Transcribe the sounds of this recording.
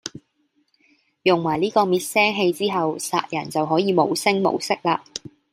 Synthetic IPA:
jʊ˨˩ŋwaː˨˩jliː˥kɔː˧miː˨˧t̚sɛː˥ŋɦe˧jt͡siː˥ɦɐ˨wsa̰ː˨t̚jɐ˨˩nt͡sɐ˨wɦɔː˨˥jiː˨˧mo˨˧wsɪ˥ŋmo̰˨˧wsɪ˥k̚laː˧

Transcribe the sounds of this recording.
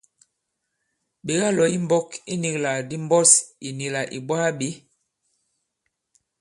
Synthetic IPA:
ɓe˨ɡa˦lɔ˨i˦m˦bɔ˦ki˦ni˨kla˨di˦m˦bɔ˦si˨ni˨la˨ʔi˨bwa˦be˨˦

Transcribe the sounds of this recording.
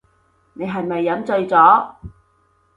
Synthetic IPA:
ne˨˧jɦɐ˨jmɐ˨jːɐ˨˧˥mt͡sɵ˧ɥt͡sɔː˨˥

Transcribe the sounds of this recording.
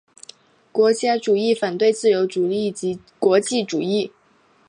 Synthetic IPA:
kwɔ˧˥t͡ɕja˥ʈ͡ʂu˨˩i˥˩fa˨˩nt̪we˥˧ɪt͡sɹ̩˥˩jo˧˥ʊʈ͡ʂu˨˩li˥˩t͡ɕi˧˥ | kwɔ˧˥t͡ɕi˥˩ʈ͡ʂu˨˩i˥˩

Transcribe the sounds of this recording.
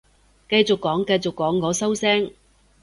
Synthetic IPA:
kɐ˧jt͡sʊ˨kːɔː˨˥ŋkɐ˧jt͡sʊ˨kːɔː˨˥ŋkɔː˨˥sɐ˥wsɛː˥ŋ

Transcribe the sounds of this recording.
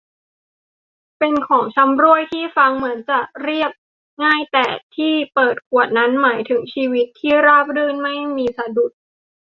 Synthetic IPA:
pe˧nkʰɔː˩˦ŋt͡ɕʰa˧˥mɾu˥˩əjt̪ʰiː˥˩fa˧ŋmɯ˩˦ənt͡ɕa˨˩ʔɾi˥˩əp̚ | ŋaː˥˩jt̪ɛː˨˩t̪ʰiː˥˩pɤː˨˩t̪̚kʰu˨˩ət̪̚na˦˥nmaː˩˦jt̪ʰɯ˩˦ŋt͡ɕʰiː˧wi˦˥t̪ʰːiː˥˩ɾaː˥˩p̚ɾɯː˥˩nma˥˩jmiː˧sa˧du˨˩t̪̚

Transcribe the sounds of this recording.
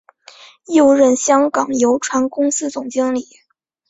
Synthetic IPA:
jo˥˧ʊɻə˥˩nɕjɑ˥ŋkɑ˨˩ŋjo˧˥ʊʈ͡ʂʰwa˧˥nkʊ˥ŋsɹ̩˥t͡sʊ˨˩ŋt͡ɕi˥ŋli˨˩˦

